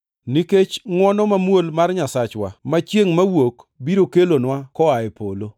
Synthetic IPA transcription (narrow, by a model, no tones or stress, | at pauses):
niket͡ʃŋwɔnɔmamwolmarɲasat͡ʃwa̰mat͡ʃjeŋmawokbiɾokelonwakɔaɪpolo